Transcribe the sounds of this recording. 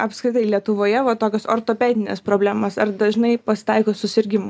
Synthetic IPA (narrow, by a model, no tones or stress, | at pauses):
ɐpskɾʲɪt̪ɐɪlʲiɛt̪ʊʋoːjɛʋɐt̪oːkʲosoːɾt̪oːpʲæːd̪ʲɪnʲespɾoːbʲlʲæːmɐsɐrd̪ɐʒʲnɐɪpɐsʲɪ̥t̪ɑɪkoːsʊsʲɪɾʲɡʲɪmʊ